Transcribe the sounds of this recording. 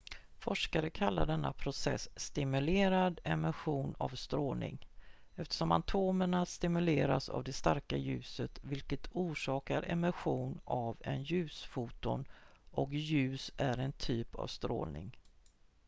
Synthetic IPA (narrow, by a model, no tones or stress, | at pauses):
fɔʂkaɾəkʰalːaɖɛnːa̰pʰɾʊsɛ̰sːt̪ɪmɵleːɾad̪ɛmaɧuːna̰vst̪ɾoːlnɪ̰ŋɛft̪ə̥ʂɔmant̪ʰoːməɳast̪ɪmɵleːɾasa̰vd̪ɛst̪aɾkajʉ̟ːsət̪vɪlkət̪ʰuːʂɑːkaɾʔɛmaɧuːnavɛ̰njʉ̟ːsfuːt̪ʊnʔɔkjʉ̟ːsæɾɛnt̪ʰyːpa̰vst̪ɾoːlnɪ̰ŋ